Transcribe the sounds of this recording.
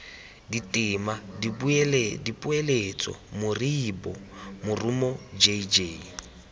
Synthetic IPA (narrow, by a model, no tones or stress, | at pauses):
ditʼɪmadibuɛldipʼuelet͡sʼɔ̰mʊriːbɔmʊrumɔd͡ʒed͡ʒe